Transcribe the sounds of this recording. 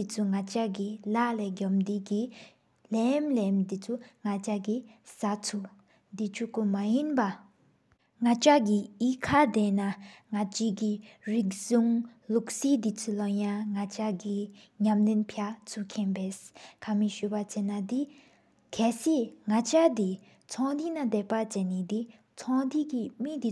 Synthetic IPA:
it͡sʰuŋat͡ɕaɡilaʔleɡɔmd̪iɡi | lemlemd̪it͡sʰuŋat͡ɕaɡisat͡sʰu | d̪it͡ɕʰukumajinpa | ŋat͡ɕaɡiʔiːkʰad̪enaŋat͡ɕikiɹik̚zuŋluk̚siːd̪it͡sʰulojaŋŋat͡ɕaɡi | ɲamlenpʰat͡sʰukʰenpeːskʰamiɕypat͡ɕenːad̪i | kʰɛːsiŋat͡ɕad̪i | t͡sʰɔŋd̪inad̪epat͡ɕenːid̪i | t͡sʰɔŋd̪ikimid̪i

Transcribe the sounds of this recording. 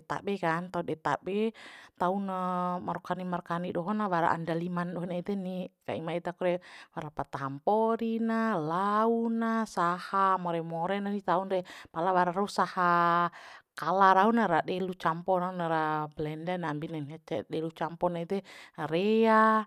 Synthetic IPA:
ɛt̪a̰bɛkant̪audɛt̪a̰bɛt̪aunamaɾɔkanimarkaniɗɔɦɔnawaɾa̰ʔa̰ndalimanɗɔɦɔnait̪ɛnika̰imait̪akuɾɛwaɾapat̪aɦampɔɾinalaunasahamɔɾɛmɔɾɛnanit̪aunrɛpalawaɾaɾausaha | kalaɾaunaɾaɗɛlut͡ʃampɔɾaunaɾablɛndɛnambinɛnɗɛlut͡ʃampɔnait̪ɛaɾɛa

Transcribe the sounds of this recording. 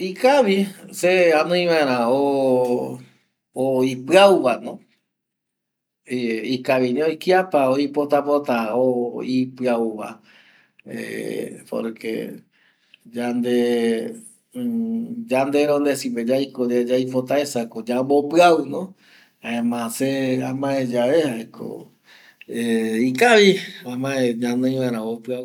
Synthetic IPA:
ikaʋiseanõĩʋãeɾ̃ão | oipɨauʋanõ | ikaʋinĩojkiapaoipot̪apot̪aoipɨauʋa̰ | ḛpo̰ɾkḛ | d͡ʒand̪e | d͡ʒand̪eɾond̪esiped͡ʒajkod͡ʒad͡ʒajpot̪aesakod͡ʒambopɨaunõ | aẽmãseamãẽd͡ʒaʋehakʰo̰ | eikaʋiamãẽɲãnɨ̃ĩʋaɾ̃ãopɨau

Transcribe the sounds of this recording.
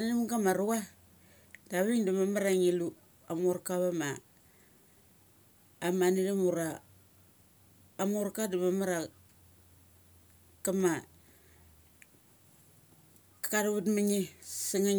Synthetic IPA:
ninimkamaɾuwa | daβiŋdumamaɾaŋilu | amoɾkaβama | manidimuɾa | moɾkadumamaɾa | kama | kkaɾβutmaŋisiŋa

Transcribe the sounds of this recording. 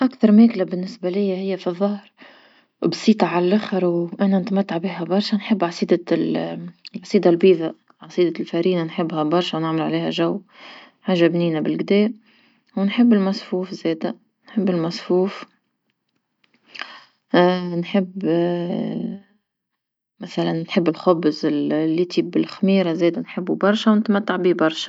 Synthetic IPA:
ʔakt̪ɑɾˤmeːklabɪnːɪsbalɪjːahɪjːafiðˤːɑhɾ | bsˤiːt̪ˤɑʕalalʔaxɑɾˤwʔananɪt̪mat̪ːaʕbiːɦabɑɾˤʃanħɪbːʕɑsˤiːd̪ɑ | ʕɑsˤiːd̪albiːða | ʕɑsˤiːd̪alfaɾiːnanħɪbːhabɑɾˤʃawnɪʕmalʕaleːha̰ʒawː | ħaːʒːabniːnabɪlɡd̪eːʔ | wnħɪbːɪlmæsˤfuːfzɛːd̪æ | nħɪbːɪlmæsˤfuːf | nħɪbː | mæθælænːħɪbːɪlxʊbzɪllːiːt̪iːbɪlxmiːɾazɛːd̪ænħɪbːubɑɾˤʃawnɪt̪mæt̪ːaʕbibɑɾˤʃḁ

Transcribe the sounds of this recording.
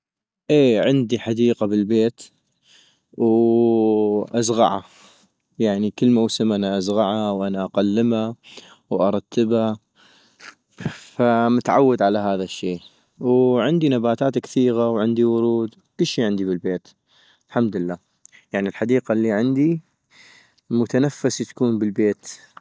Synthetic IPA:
ʔeːʕɪnd̪iħad̪iːqabɪlbeːt̪ | w | ʔazɣɑ̰ʕa̰ | jaʕnikəlːmawsɪmʔanaʔazɣɑʕawʔanaʔaqalːɪma | wʔɑɾˤɑt̪ʰːɪba | famʊt̪ʕawːad̪ʕalaɦaːðaʃːeː | wʕɪnd̪inabaːt̪aːt̪kθiːɣawʕɪnd̪iwʊɾuːd̪ | kɪlːʃiːʕɪnd̪ibɪlbeːt̪ | lħamd̪lːaː | jaʕnilħad̪iːqalːiʕɪnd̪i | mʊt̪anafːast̪ḁkuːnbɪlbeːt̪

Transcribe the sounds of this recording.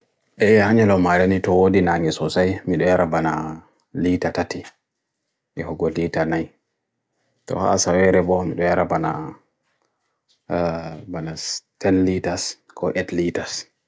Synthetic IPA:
ʔɛjhaɲɛlɔmaɾɛnitɔwodinaŋɛsɔsajmiɗɔjaɾabana | litatati | ʔɛhɔɡɔlitanaj | tɔ̰ha̰sawɛɾɛbɔmiɗɔjaɾabana̰ | banatɛnlitas | kʰɔʔɛtlitas

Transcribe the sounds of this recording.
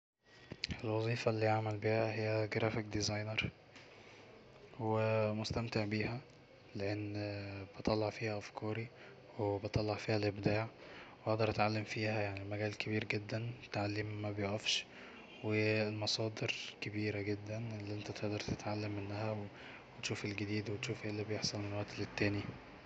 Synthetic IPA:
ʔelwɑzˤiːfɑlːiːjaʕmælbiːhæhejːæɡɾæːfekd̪izɑjneɾˤ | wemost̪æmt̪eʕbiːhæ | leʔenːb̥et̪ˤɑlːɑʕfiːhæʔæfkʰɑːɾi | webet̪ˤɑlːɑʕfiːhælʔebd̪aːʕweʔɑʔd̪ɑɾˤʔæt̪ʕalːemfiːhæjaʕnilmæɡæːlkebiːɾɡed̪ːænt̪ʕalːemːæbejoʔæfʃ | welmɑsˤɑːd̪eɾkebiːɾæɡed̪ːænelːiːʔent̪æt̪eʔd̪ɑɾˤt̪et̪ʕalːæmʔenːæhæwe | wet̪ʃuːfelɡed̪iːd̪wet̪ʃuːfʔelːibejeħsˤɑlmenlwæʔt̪let̪ːæːni

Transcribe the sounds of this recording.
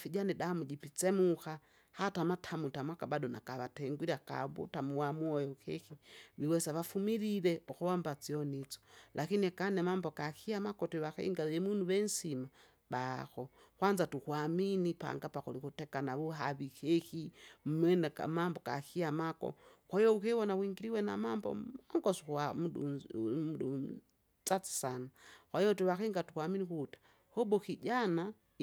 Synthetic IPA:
fiɟanidamud͡ʒipit͡sɛmuxa | hatamatʰamutamwakabadɔna̰kaβatɛŋɡwiɾaka̰βṵtamuwamuɔjɔkɛxiβiwɛsaβafumiɾiɾɛɔxɔɔmbat͡siɔnit͡sɔ̥lʔakiniakanɛmambɔkaxiamakɔtiβaxɛ̰ḭŋɡaɛmunuβɛnsima | baxɔ | kwanzatukuaminipa̰ŋɡapakulikutɛkanaβuɦaβikɛxim̩mɛnɛka̰mambɔka̰kiamakɔ̰kwaijɔukɛwɔnawiŋɡiɾiwɛna̰mambɔ̰maŋɡɔsuwamuɗṵmuɗu | t͡sat͡si̥sanakwaijɔtwɛwakɛŋɡatukwaminikutḁ | hɔbɔkiɟana

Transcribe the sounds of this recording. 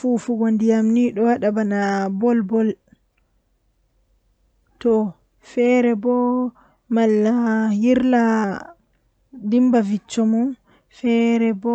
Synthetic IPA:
fufuɡondijamniɗɔwaɗabanabɔlbɔl | tɔ | fɛɾɛbɔ | malːajiɾla | dimbavit͡ʃːɔmu | fɛɾɛbɔ

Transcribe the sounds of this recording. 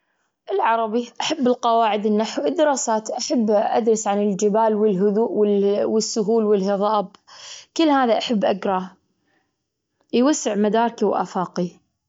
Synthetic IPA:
ʔɪlʕɑɾˤɑbiʔaħabːɪlqɑwaːʕɪd̪ɪnːaħwɪd̪ːɪɾˤɑːsaːt̪ʔaħabːʔa̰d̪ɾˤɑsʕanɪld͡ʒɪbaːlwɪlɦʊðuːʔwɪwɪsːʊɦuːlwɪlhɪðˤɑːbkɪlːhaːðaʔaħabːʔaɡɾˤɑ | jwasːɪʕmad̪ɑːɾˤkiwʔa̰faːqi

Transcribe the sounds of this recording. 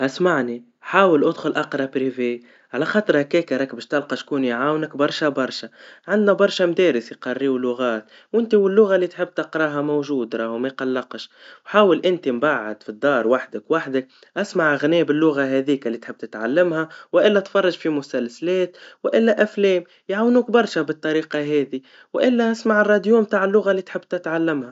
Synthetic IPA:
ʔasmaʕni | ħaːwəlʔʊd̪xʊlʔɑqɾˤɑpɾiveː | ʕalæxɑːt̪ˤɾhækɛːkɪɾˤɑkbɛːʃt̪ɑlqɑʃkuːniʕaːwnɪkbɑɾˤʃabɑɾˤʃaʕand̪næbɑɾˤʃamd̪ɛːɾɪsjqɑrːiːwlʊɣaːt̪̚ | wʔɪnt̪iwɪlːʊɣalːit̪ħɪb̚ːt̪ɑqɾˤɑːɦamowʒuːd̪ɾˤɑːhmæjqɑlːɑqʃwħaːwəlʔɪnt̪imbaʕːa̰d̪fid̪ˤːɑːɾˤwaħd̪əkwaħd̪ək̚ | ʔæsmaʕʔaɣnɛːbɪlːʊɣaɦɛðiːkalːit̪ħɪb̚t̪ɪt̪ʕalːɪmhawʔɪlːæt̪fɑrˤːɑʒfimʊsælslɛːt̪wʔɪlːæʔæflɛːm | jʕawnuːkbɑɾˤʃabət̪ˤːɑɾiːqɑɦɛːði | wʔɪlːæʔasmaʕərˤːɑd̪juːmb̚t̪aːʕɪlːʊɣalːit̪ħɪbːt̪ɪt̪ʕalːɪmha

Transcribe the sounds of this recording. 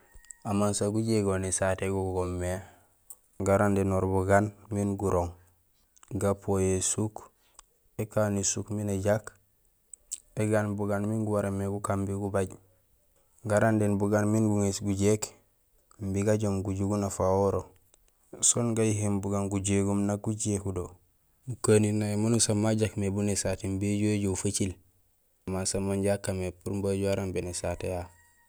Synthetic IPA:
amansaɡuɟeɡonisateɡuɡɡomːe | ɡaɾandenoɾbuɡanminɡuɾoŋ | ɡapojesuk | ekanisukmineɟak | eɡanbuɡanminɡuwaɾemeɡukambiɡubaɟ | ŋɡaɾandenbuɡanminɡuŋisɡuɟek | mbiɡaɟomɡuɟuɡunafawoɾo | sonɡajiɦembuɡanɡuɟeɡumnak̚ɡuɟekudo | mukaninajmunusamːaɟakmebunesatembeɟoɟofət͡ʃil | masamanɟakːamepuɾmbaɟuwaɾambenesateja

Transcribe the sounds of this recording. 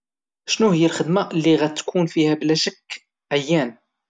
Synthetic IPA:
ʃnuhəjːælxəd̪maʔlːiɣæt̪ːkʰunfihæblæʃəkː | ʕəjːæn

